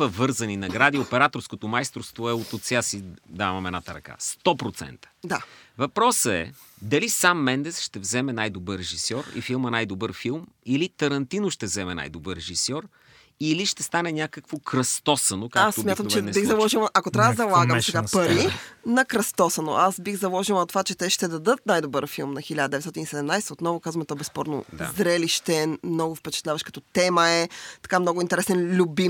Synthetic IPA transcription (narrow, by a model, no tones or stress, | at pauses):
əvɤɾzɐninɐɡɾad̪iopɛɾat̪oɾskot̪omajst̪ɾofst̪voɛot̪ot̪sʲiasid̪amɐmɛd̪nat̪əɾɐ̰ka̰st̪ɔpɾot̪sɛ̰nt̪ə̥d̪avɐpɾɔsəɛ̰ | d̪ɐlisamːɛnd̪ɛsʃt̪ɛvzɛmɛnajd̪obəɾɾɛʒisɔɾḭfilˠmɐnajd̪obəɾfilˠm | ilit̪ɐɾɐnt̪inoʃt̪ɛvzɛmɛna̰jd̪obəɾːɛʒisɔɾ | iliʃt̪ɛst̪anɛnʲakəkvokɾɐst̪ɔsɐnokaasmʲat̪əmt͡ʃɛbiɣzɐlˠɔʒilˠʔɐkot̪ɾʲavəd̪ɐzɐlˠaɡəmsɛɡapɐɾinɐkɾɐst̪ɔsɐno̰ʔasbixzɐlˠɔʒilˠɐt̪vat͡ʃɛt̪ɛʃt̪ɛd̪ɐd̪ɤt̪̚najd̪obəɾfilˠmnɐxilʲad̪əd̪ɛvɛt̪t̪ɔt̪inisɛd̪ɛmnajsɛt̪əot̪nɔvʊkazvɐmɛt̪ɔbɛspɔɾno̰d̪zɾɛliʃt̪ɛmnɔɡʊfpɛt͡ʃɛ̥t̪lʲavəʃkɐ̥t̪ɔt̪ɛməɛt̪ɐ̥kamnɔɡʊint̪ɛɾɛsɛnlʲubim